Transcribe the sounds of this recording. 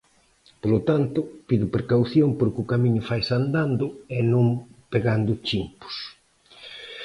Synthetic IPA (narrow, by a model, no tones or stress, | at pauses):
polot̪ant̪ʊpiðʊpɾekawθjoŋpoɾkɪʊkamĩɲʊfajsand̪and̪ʊenõŋpeɣand̪ʊt͡ʃimpʊ̥s